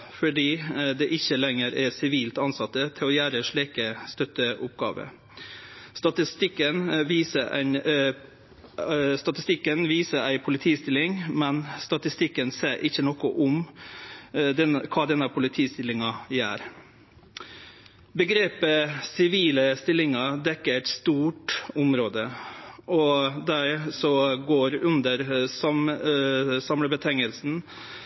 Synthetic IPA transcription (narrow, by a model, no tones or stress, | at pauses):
fɔɖiːd̪ɛʔɪçːəlɛŋəɾɛsɪʋiːlt̪ɑnsɑt̪ːət̪ʰɪlɔjæːɾəʂɭiːkəst̪œt̪ːəʔʊp̚ɡɑ̰ːʋə̰ | st̪ɑt̪ɪst̪ɪkːənʋiːsəɾæ̰n | st̪ɑt̪ɪst̪ɪkːənʋiːsəɾæɪpʰʊlɪt̪ʰiːst̪ɪlːɪŋmɛnst̪ɑt̪ɪst̪ɪkːənseːɾʔɪçənɔkɔʔʊm | d̪ɛkʰɑːd̪ɛnːəpʰʊlɪt̪ʰiːst̪ɪlːɪŋɑjæ̰ːɾ | bəɡɾeːpəsɪʋiːləst̪ɪlːɪŋɑd̪ɛkːəɾæɪt̪st̪uːʈʊmɾoːd̪ə | ɔd̪æɾsɔɡoːɾʉnd̪əɾsɑm | sɑmləbət̪ʰɛŋəlsn̩